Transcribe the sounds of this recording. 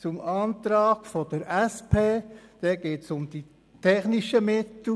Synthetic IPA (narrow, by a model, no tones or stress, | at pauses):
t͡sʊmɑːnt̪ɾɑːɡ̥fɔd̪̥əɾæspʰeːd̥ɛɡeːtsʊmd̥̪i | tʰɛχniʃəmɪt̪l̩